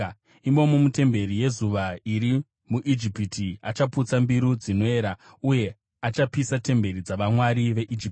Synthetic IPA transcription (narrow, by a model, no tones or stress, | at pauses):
imo̞mumute̞mbe̞ɾije̞zuʋaiɾi | muʔid͡ʒipitʰiat͡ʃaput͡sambiɾud͡zino̞eːɾa | uje̞ | at͡ʃapisate̞mbe̞ɾid͡zaʋamwaɾiʋe̞ʔid͡ʒip